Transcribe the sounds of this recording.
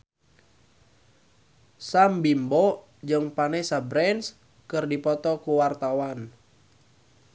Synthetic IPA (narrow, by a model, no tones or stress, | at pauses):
sambimbɔ | d͡ʒɨŋpanɛsabɾɛns | kɨrdipɔt̪ɔkuwart̪awan